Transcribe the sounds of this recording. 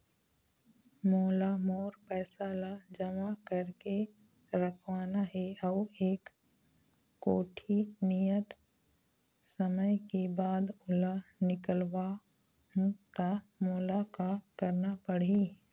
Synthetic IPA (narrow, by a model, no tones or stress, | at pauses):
moːlamoːɾpɛːsaːlad͡ʒɐmakəɾke | ɾəkʰʋaːnaɦɛɐʋeːk | oːʈʰinijət̪ | səməjkebaːd̪ʊlanɪkəlʋa | ɦũt̪a | moːlakakəɾnapəɽ̤i